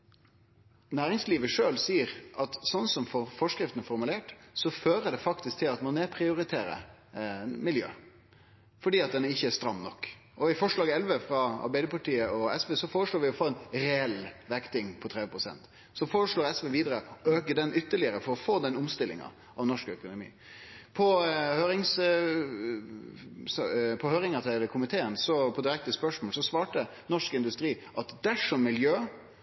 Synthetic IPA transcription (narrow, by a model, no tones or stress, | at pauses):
næːɾɪŋsliːʋəʂøːlsiːəɾʔɑt̪sɔnsɔmfɔfɔʂkɾɪft̪ənfɔɾmʉleːʈsɔføːɾəɖ̪ɛfɑkt̪ɪsk̚t̪ʰɪlɑt̪mɑnɛpʰɾɪʊɾɪt̪ʰeːɾə̰ | mɪljø̰ː | fɔɖiːɑt̪̚d̪ɛnæɪçːəæst̪ɾɑmːnɔkː | ɔɪfɔʂɭɑːɡɛlʋəfɾɑɑ̰ɾbæɪd̪əpɑʈiːəʔɔɛsʋeːsɔfoːɾəʂɭoːɾʋɪɔfoːɛnɾɛɛlʋæɾkt̪ɪŋpʰɔt̪ʰɾɛʋəpʰɾʊsɛ̰nt̪ | sɔfoːɾəʂɭoːɾɛsʋeːʋiːd̪əɾəɔøːkəd̪ɛnʔʏt̪ːəɭɪəɾəfɔɾɔfoːd̪ɛnʊmst̪ɪlːɪ̰ŋɑ̰ | ɑʋnɔʂkœkʊnʊmḭː | pʰɔhøːɾɪŋs | spʰɔhøːɾɪŋɑt̪ʰɪlkʰʊmɪt̪ʰeːənsɔpʰɔd̪ɪɾɛk̚t̪əspœʂmoːlsɔsʋɑːʈə | nɔʂkɪnd̪ʉst̪ɾiː | ʔɑt̪d̪æʂɔmːɪljøː